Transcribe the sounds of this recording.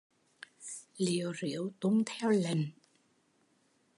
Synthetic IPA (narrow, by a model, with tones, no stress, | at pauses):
lḭ˧˨əwzḭ˧˩˨əwt̪u˧˦ŋ͡mt̪ʰɛ˧wlə˨˩ŋ